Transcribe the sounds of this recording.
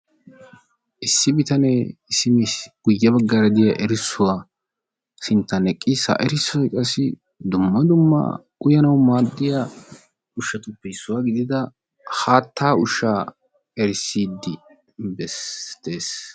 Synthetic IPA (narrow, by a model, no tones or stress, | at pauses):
ʔɪsːɪbɪt̪ɐnɛsɪmisɡ̥ʊjːɐbɐɡːɐɾɐd̪ɪjɐʔɛɾɪsːʊwaː | sɪnt̪ːɐnɛkʼːɪsɐ̰ʔɛɾɪsːɔjkʼɐsːɪ | d̪ʊmːɐd̪ʊmːɐ̰ | ʊjɐnɐwmaːd̪ːɪja | ʊʃɐt̪ʊpːɛsːʊwaːɡɪd̪ɪd̪ɐ | haːt̪ːaːʊʃaː | ɛɾɪsːiːd̪ːɪ | bɛst̪eːs